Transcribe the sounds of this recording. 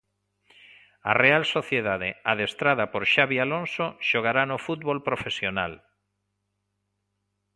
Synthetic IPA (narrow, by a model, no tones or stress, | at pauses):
a̰realsoθjeðaðeaðest̪ɾaðapoɾʃaβialonsoʃoɣ̞aɾanofut̪̚βolpɾofesjona̰l